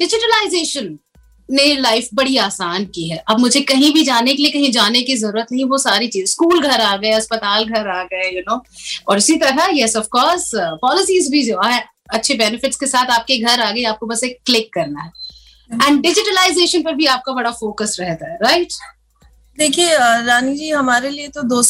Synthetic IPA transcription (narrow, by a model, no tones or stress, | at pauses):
ɖɪd͡ʒɪʈəlaɪzeːʃənː | elaɪfbɐɽiaːsaːnkiɦɛːʔɐb̚mʊd͡ʒʱekɐɦĩbʱid͡ʒaːnekelijekɐɦĩd͡ʒaːnekizɐɾuːɾət̪nɐɦĩʋosaːɾit͡ʃiːzskuːlɡʱɐɾaːɡɐeɐspət̪aːlɡʱɐɾaːɡɐejʊnoːɔːɾʊsit̪ɐɾajɛsɐfkɔːɾspɔːlɪsiːzbʱid͡ʒoaɦɛ | ɐtːʃʰebɛːnɪfɪʈskesaːt̪ʰaːp̚keɡʱɐɾaːɡɐeaːp̚kobɐseːkːklɪkːɐɾnaɦɛ | ɛ̃ːɳɖɖɪd͡ʒɪʈəlaɪzeːʃənpɐɾbʱiaːp̚kabɐɽafoːkəsɾɛɦt̪aɦɛɾaɪʈ | d̪eːkʰieɾaːnid͡ʒiːɦɐmaːɾeliet̪od̪oː